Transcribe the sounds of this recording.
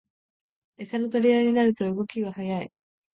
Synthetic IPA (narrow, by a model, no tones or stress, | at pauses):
e̞sano̞t̪o̞ɾʲiaiɲ̟inaɾɯ̟t̪o̞ɯ̟ɡo̞kʲiɡahajai